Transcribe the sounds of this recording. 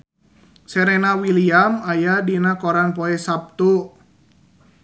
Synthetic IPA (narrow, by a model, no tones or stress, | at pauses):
sɛɾɛnawiliamajadinakoɾanpoɛsap̚t̪u